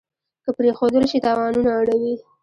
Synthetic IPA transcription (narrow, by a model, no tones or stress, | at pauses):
kəpɾexod̪əlʃit̪ɑwɑnunaːɽawi